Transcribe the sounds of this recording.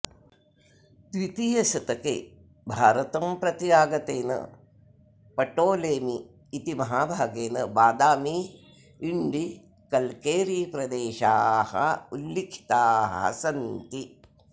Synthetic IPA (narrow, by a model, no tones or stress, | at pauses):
d̪ʋit̪ijɐsɐt̪ɐkḛ | bʱaːɾɐt̪ɐmpɾɐt̪jaːɡɐt̪eːnɐ̰ | pɐʈoːleːmiː | t̪imɐɦaːbʱaːɡeːnɐbaːd̪aːmiː | ɳɖi | kɐlkeːɾiːpɾɐd̪eːʃaːhɐ̰ulːikʰi̥t̪aːɦɐ̰sɐnt̪i